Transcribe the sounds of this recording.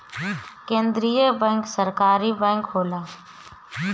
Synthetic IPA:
kẽːnd̪ɾiːjəbə̃ːŋksəɾkaːɾiːbɛ̃ːŋkɦoːlaː

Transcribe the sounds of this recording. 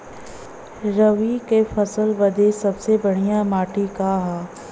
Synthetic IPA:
ɾɐʋikefɐsəlʋɐd̪ʱesɐbsebɐɽ̤ijãmaːʈikaɦaː

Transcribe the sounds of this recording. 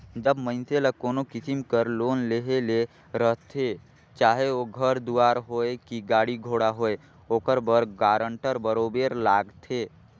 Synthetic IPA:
d͡ʒəbmə̃ɪnseləkoːnokɪsimkəɾloːnleɦele | ɾəɦt̪ʰe | t͡ʃaːɦeoɡʱəɾd̪uaːɾɦoekiɡaːɽiɡʱoːɽaɦoːe | oːkəɾbəɾɡaːɾəɳʈəɾbəɾobeɾlaːɡt̪ʰeː

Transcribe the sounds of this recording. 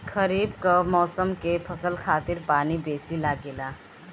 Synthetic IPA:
kʰəɾibkəmɔsəmkepʰəsəlkʰat̪iɾpanibesilaɡela

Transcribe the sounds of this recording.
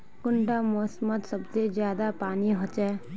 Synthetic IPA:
kʊɳʈamosmət̪səbsed͡ʒjaːd̪apaːniɦot͡ʃɛː

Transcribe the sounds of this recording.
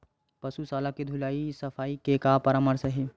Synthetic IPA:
pɐsusaːlaked̪ʱulaːisɐfʰaːikekapəɾaməɾsəɦi

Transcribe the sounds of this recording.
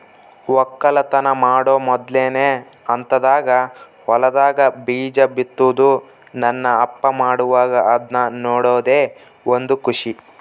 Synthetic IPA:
ʋɔkːɐlɐt̪ɐnɐmaːɽoːmɔd̪leːneː | ɐnt̪ɐd̪aːɡɐ | hɔlɐd̪aːɡɐbiːd͡ʒɐbit̪ːud̪u | nɐnːɐːpːɐmaːɽuʋaːɡɐɐd̪nɐnoːɽoːd̪eː | ond̪ukuʂi

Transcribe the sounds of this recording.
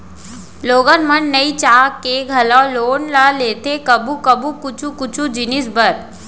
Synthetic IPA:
loːɡənmənnɐit͡ʃaːkːeɡʱɐlãloːnɾaleːt̪ekɐbukɐbukʊt͡ʃʰukʊt͡ʃʰũd͡ʒɪnɪsbəɾ

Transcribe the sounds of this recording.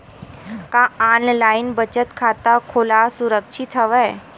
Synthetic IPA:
kãaːnlaːɪnbət͡ʃət̪kʰaːt̪akʰoːlasʊɾəkʃɪt̪ɦəʋɛ

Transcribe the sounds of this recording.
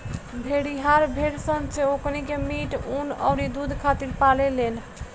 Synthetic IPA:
bʱeɽiɦaɾbʱeɽsənt͡ʃʰeoknikemiʈunə̰ɾid̪ud̪ʱkʰat̪iɾpalelen

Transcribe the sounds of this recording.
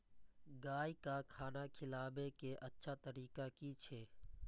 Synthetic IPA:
ɡaːikaːkʰaːnaːkʰɪlaːbekeʔətːʃʰaːt̪əɾiːkakiːt͡ʃʰeː

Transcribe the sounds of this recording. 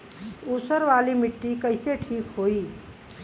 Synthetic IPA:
usəɾʋalimɪʈːikəɪseʈʰiːkɦoːi

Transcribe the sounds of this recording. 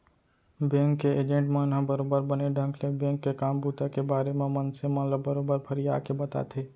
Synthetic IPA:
bẽːŋkːeeːd͡ʒẽɳʈmenɦãbəɾoːbəɾbəneɖʱə̃ŋklebẽːŋkːekaːmbuːt̪akebaːɾemẽmənsemɐ̃nləbəɾoːbəɾpʰəɾija̰ːkebɐt̪a̰ːt̪ʰeː

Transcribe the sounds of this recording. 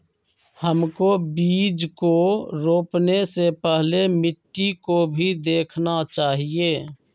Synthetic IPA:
həmkobiːd͡ʒkoɾoːpnesepɛɦlemɪʈːikobʱid̪eːkʰnat͡ʃaːɦieː

